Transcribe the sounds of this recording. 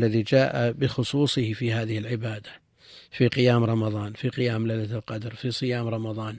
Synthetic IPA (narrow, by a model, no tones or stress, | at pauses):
lːaðid͡ʒaːʔabɪxʊsˤuːsˤɨhfiɦaːðɪhɪlʕɪbaːd̪ḁ | fiqɪjaːmɾˤɑmɑðˤɑːnfiqɪjaːmlalːalqɑd̪ɾˤfisˤɨjaːmɾˤɑmɑðˤɑːn